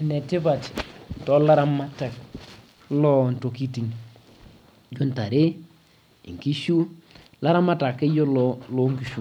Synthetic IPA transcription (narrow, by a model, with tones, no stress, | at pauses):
ne˨tɪ˦va˨ti̥˨n˨tɔ˦la˦ɾa˦ma˦ta˨k̚ | lɔ˦nto˨ki˦ti˨ŋ | d͡ʒo˦nta˨ɾe˦ | ḭ˨ŋki˦ʃu˦ | la˦ɾa˦ma˦ta˨kɪ˦jɔ˦lɔlo˦ŋki˨ʃu˨